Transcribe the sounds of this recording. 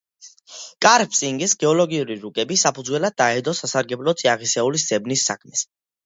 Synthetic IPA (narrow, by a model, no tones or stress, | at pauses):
kʼaɾpʰsʼiŋɡisɡɛɔlɔɡiuɾiɾukʼɛbisapʰud̪zwɛlad̪̚ːaɛd̪ɔsasaɾɡɛblɔt̪sʼiaʁisɛulisz̥ɛbnisːa̰kʰmɛs